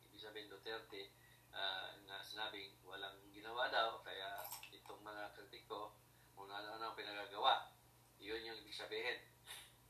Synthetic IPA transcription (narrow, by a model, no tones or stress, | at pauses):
ʔḭːbɪɡ̚sɐbiːhɪnd̪ot̪ɛɾt̪ɛ | ʔaŋasɪnaːbɪŋwɐlaŋɡɪnɐwad̪awkɐjaʔɪt̪oŋmɐŋakɾiːt̪ɪko̞ | ʊnanaʔɐnaŋpɪnɐɡaɡɐwaʔ | jʊnjʊŋʔɪbɪɡ̥̚sɐbiːɦɛn